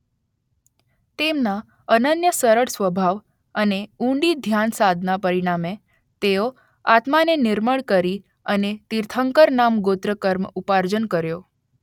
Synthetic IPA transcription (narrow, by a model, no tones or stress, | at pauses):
t̪emna | ənənjəsəɾəɽsʋəbʱaʋ | əneũɳɖid̪ʱjansad̪ʱnapəɾiɽ̃ame | t̪eo | at̪manenɪɾməɭkəɾi | ənet̪iɾt̪ʰəŋkəɾnamɡot̪ɾəkəɾmupaɾd͡ʒənkəɾjo